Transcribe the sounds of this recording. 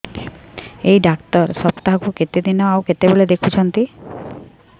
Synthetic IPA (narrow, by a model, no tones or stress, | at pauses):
ejɖakt̪ɔɾsɔbt̪aɦkuket̪ed̪inɔawket̪ebeɭed̪ekʰut͡ʃʰɔnt̪i